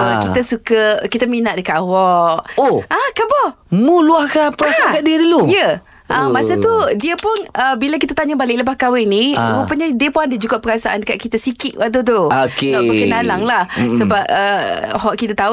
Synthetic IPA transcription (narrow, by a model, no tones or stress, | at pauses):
əkit̪əsukəkit̪əminaʔ̚dəkat̪wɔʔoʔakabɔmuluahkapəɾasaakaʔdiədulujə | ʔamasat̪udiəpʊnəbilak̬it̪aət̪aɲabalɪʔləbahkawɛniɾupəɲadiəpʊandəd͡ʒukaʔpəɾasaʔa̰ndəkaʔ̚kit̪asikɪt̪̚waʔt̪ut̪ookenɔʔmukinalaŋlahsəbap̚əhɔʔkit̪at̪au